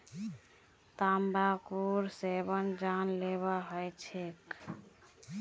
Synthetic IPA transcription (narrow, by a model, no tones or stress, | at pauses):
t̪ambakuɾsebənd͡ʒanleβaɦɔjt͡ʃʰek